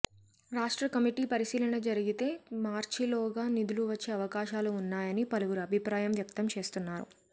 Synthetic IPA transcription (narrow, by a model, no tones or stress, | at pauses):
ɾaːʂʈɾɐkɐmiʈiːpɐɾisiːlɐnɐd͡ʒɐɾiɡit̪e̞ːmaːɾt͡ʃilɔːɡaːnid̪uluʋɐt͡ʃːe̞ːɐʋɐkaːʃaːluːnːaːjɐnipɐluwuɾuɐbʱipɾaːjɐmʋjɐk̚t̪ɐmt͡ʃe̞ːst̪unːaːɾṵ